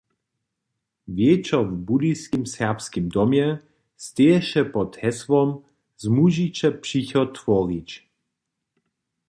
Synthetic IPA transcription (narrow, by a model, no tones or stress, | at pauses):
vjet͡ʃɔvbud̪iskimsɛpskimd̪ɔmjɛ | st̪eɛʃɛpɔt̪ʰɛsvɔm | zmuʒit͡ʃɛpʃiçɔt̪vɔɾit͡ʃ